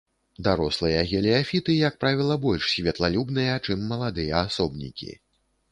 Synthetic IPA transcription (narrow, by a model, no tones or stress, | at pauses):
d̪aɾɔslˠɨjɐɣʲɛlʲɛafʲit̪ɨjɐk̚pɾavʲilˠɐbɔlʲʂsʲvʲɛt̪lˠalʲubnɨjɐt͡ʂɨmːɐlˠad̪ɨjɐasɔbnʲḭkʲḭ